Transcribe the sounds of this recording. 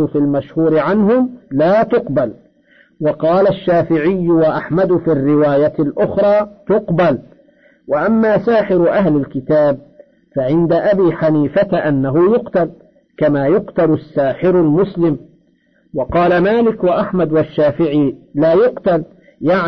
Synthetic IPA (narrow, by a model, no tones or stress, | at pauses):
ʊfilmaʃhuːɾɪʕanɦʊmlaːt̪ʊqbal | wɑqɑːlaʃːaːfɪʕɪjːʊwaʔaħmad̪fiːrːɪwaːjalʔʊxɾˤɑːt̪ʊqbal | waʔamːaːsaːħɪɾʔaɦlɪlkɪt̪aːb̚ | faʕɪnd̪aʔabiːħaniːfat̪ʔanːaɦʊjʊqt̪al | kamaːjʊqt̪alʊsːaːħɪɾʊlmʊslɪm | wɑqɑːlamaːlɪkwaʔaħmad̪waʃːaːfɪʕiːlaːjʊqt̪al | jaʕ